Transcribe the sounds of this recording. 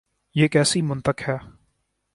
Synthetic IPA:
jeːkɛːsimʊ̃nt̪əkhɛː

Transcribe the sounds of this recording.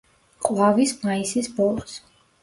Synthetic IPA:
qʼwavismaisisbɔlˠs

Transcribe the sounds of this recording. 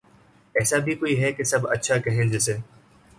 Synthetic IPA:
ɛːsabʱikoːiɦɛkesɐbɐ̰tːʃʰakɐɦẽd͡ʒɛs̬eː

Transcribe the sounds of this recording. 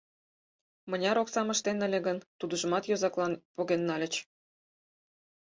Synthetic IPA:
mə̆nʲɑɾoksɑmə̆ʃt̪enə̆lʲĕɡənt̪ud̪əʒə̆mɑt̪jozɑklɑnpoɣenːɑlʲə̆t͡ɕ

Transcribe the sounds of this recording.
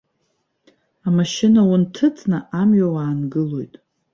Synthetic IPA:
amaʃɪnawuntʰɨt͡sʰʼnɨʔamɥawaːnɡɨlo̞jtʼ

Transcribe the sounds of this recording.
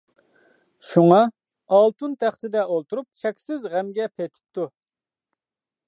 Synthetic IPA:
ʃuŋɑ | ɑlˠt̪ʰunt̪ʰæχt̪ɪd̪ɛolˠt̪uɾup̚ʃɛkʲsɪzʁæmɡʲɛpʰet̪ʰɪ̥p̚t̪ʰu

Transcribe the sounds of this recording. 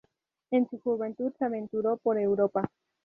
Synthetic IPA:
ensuxuβent̪ud̪seaβent̪uɾopoɾewɾopa

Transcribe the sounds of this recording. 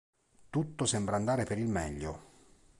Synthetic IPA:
t̪ut̪ːosɛmbɾaːnd̪aːɾepeɾilmɛʎːo

